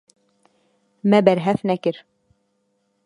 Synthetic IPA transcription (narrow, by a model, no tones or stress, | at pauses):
mæbæɾɦæfnækɘɾ